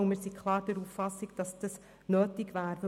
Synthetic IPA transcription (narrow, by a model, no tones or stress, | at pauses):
uməsikʰlɑːɾd̥ɛɾuːffɑsɪɡd̥ɑsd̥ɑs | nøːtɪɡʋæːɾvɛ